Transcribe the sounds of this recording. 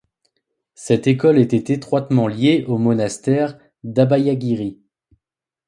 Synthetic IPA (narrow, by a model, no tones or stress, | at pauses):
sɛt̪ekɔlet̪ɛt̪et̪χwat̪mɑ̃ljeʔomɔnast̪ɛʁ | d̪abajaɡʲiʁi